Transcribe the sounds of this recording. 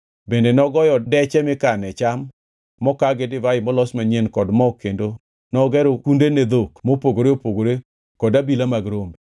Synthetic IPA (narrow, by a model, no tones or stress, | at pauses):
bendenɔɡɔjɔdɛt͡ʃɛmɪkanɛt͡ʃamː | ɔkaɡedɪvaɪmɔlɔsmaɲenkɔdmɔkendo | nɔɡɛɾokundened̪okmopoɡoɾeopoɡoɾe | kɔdabilamaɡɾombe